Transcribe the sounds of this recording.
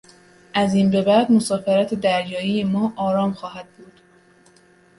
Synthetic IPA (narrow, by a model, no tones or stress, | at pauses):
ʔæziːnbe̞bæd̪mosɒːfeɾæt̪ʰed̪æɾjɒːijemɒːʔɒːɾɒːmxɒːɦæd̪̚buːd̪̥